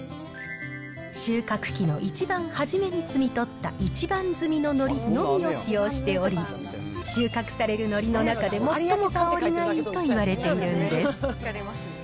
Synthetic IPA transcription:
ɕɨːkakɯ̟̥kʲino̞ʔit͡ɕibãɰ̃haʑime̞ɲ̟it͡sɨmʲit̪o̞t̪ːa̰ʔit͡ɕibãnd͡zɨmʲino̞no̞ɾʲino̞mʲio̞ɕijo̞ːɕi̥t̪e̞o̞ɾʲi | ɕɨːkakɯ̥saɾe̞ɾɯ̟no̞ɾʲino̞nakad̪e̞mo̞omokaoɾʲinait̪o̞iβaɾe̞t̪e̞iɾɯ̟̃nd̪e̞sɨ̥

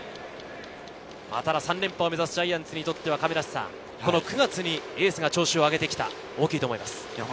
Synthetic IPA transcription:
ma̰t̪aɾasãnɾẽ̞mpaome̞zasɨ̥ʑaiːãnt͡sɨɲ̟it̪o̞t̪ːe̞βakame̞ɾaɕsã̰ | ko̞no̞kɯ̟ɡat͡sɨɲ̟ie̞ːsɨɡat͡ɕo̞ːɕioaɡe̞t̪e̞kʲi̥t̪a̰ | o̞ːkʲiːt̪omo̞imasɨ̥

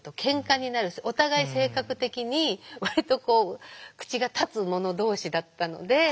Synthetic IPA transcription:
t̪ːo̞kʰẽ̞ŋkaɲ̟inaɾɯ̟so̞t̪aɡaise̞ːkakɯ̟t̪e̞kʲiɲ̟iβaɾit̪o̞ko̞ːkɯ̥t͡ɕiɡat̪at͡sɨmo̞no̞d̪o̞ːɕid̪at̪ːano̞̰d̪e̞

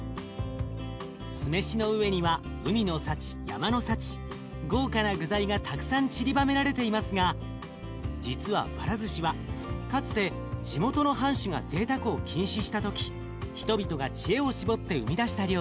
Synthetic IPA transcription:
sɨme̞ɕino̞ɯ̟βe̞ɲ̟iβa | ɯ̟mʲino̞sat͡ɕi̥ja̰mano̞sat͡ɕi̥ | ɡo̞ːkanaɡɯ̟zaiɡat̪ʰakɯ̟̥sãɲ̟t͡ɕiɾʲibame̞ɾaɾe̞t̪e̞imasɨɡa | d͡ʑit͡sɨβa̰paɾazɨɕiβakat͡sɨ̥t̪e̞ | d͡ʑimo̞t̪o̞no̞ɦãɰ̃ɕɨŋa̰ze̞ːt̪akɯ̟o̞kʲʰĩɰ̃ɕiɕi̥t̪at̪o̞kʲi̥ | çi̥t̪o̞bʲit̪o̞ɡat͡ɕie̞o̞ɕibo̞t̪ːe̞ɯ̟mʲid̪aɕi̥t̪aɾʲjo

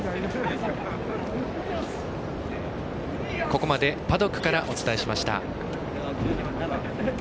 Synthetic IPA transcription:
ko̞ko̞mad̪e̞pad̪o̞kːɯ̟̥kaɾaʔo̞t͡sɨ̥t̪aeɕimaɕi̥t̪a̰

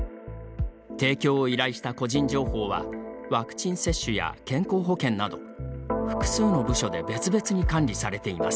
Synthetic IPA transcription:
t̪e̞ːkʲo̞ːiɾaiɕi̥t̪ako̞ʑĩɲ̟d͡ʑo̞ːho̞ːβa̰βakɯ̟̥t͡ɕĩɰ̃se̞ɕːɨja̰kẽ̞ŋko̞ːɦo̞kẽ̞nːad̪o̞ | ɸɯ̟̥kɯ̟̥sɨːno̞bɯ̟ɕo̞d̪e̞be̞t͡sɨbe̞t͡sɨɲ̟ikãnɾʲisaɾe̞t̪e̞ima̰sɨ̥

